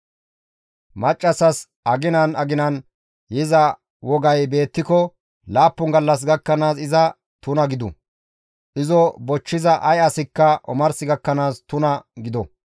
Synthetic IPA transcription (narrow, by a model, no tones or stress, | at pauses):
mɐt͡ʃʼːɐsɐs | ʔɐɡɪnɐnɐɡɪnɐn | jɪzɐ | wɔɡɐjbe̞ːt̪ːɪkɔ | laːpːʊŋɡɐlːɐs̬ɡɐkːɐnaːsɪzɐ | t̪ʊnɐɡɪd̪ʊ̰ | ʔɪzɔbɔt͡ʃːɪzɐʔɐjɐsɪkːɐʔɔ̰mɐɾsɪɡɐkːɐnaːst̪ʊnɐɡɪd̪ɔ